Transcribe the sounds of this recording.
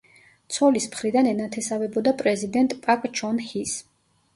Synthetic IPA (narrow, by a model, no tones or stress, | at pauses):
t̪sʰɔlismχɾid̪anɛnat̪ʰɛsavɛbɔd̪apʼɾɛzid̪ɛnt̪ʼpʼakʼt͡ʃʰɔnhis